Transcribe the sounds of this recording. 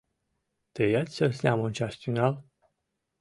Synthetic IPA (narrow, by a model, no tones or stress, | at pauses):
t̪ejat̪sʲsəlsʲaməunt͡ʃaʃt̪ʲinal